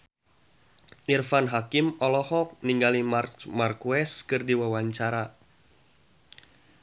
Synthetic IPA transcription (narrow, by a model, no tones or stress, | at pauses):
ʔirfanɦakimɔlɔhɔk̚niŋɡalimarmarkuɛskɨrdiwawaɲt͡ʃaɾa